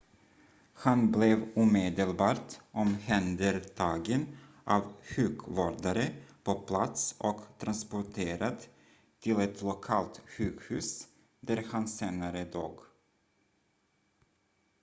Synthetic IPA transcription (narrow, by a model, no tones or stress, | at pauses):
hanblɛvuːmeːd̪əlbɑːʈʔɔmhɛnd̪əɾt̪ʰɑːɡən | ʔavɧʉ̟ːkvoːɖ̪aɾəpʰɔpʰlat̪sʔɔkt̪ʰɾanspʊʈʰeːɾad̪ | t̪ʰɪlɛt̪ʰlʊkʰɑːlt̪ɧʉ̟ːkhʉ̟ːs | d̪æɾhanseːnaɾəd̪oːɡ